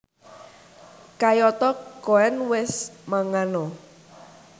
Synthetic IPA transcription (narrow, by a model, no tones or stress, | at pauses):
kajɔt̪ɔkɔɛnwɪsmaŋanɔ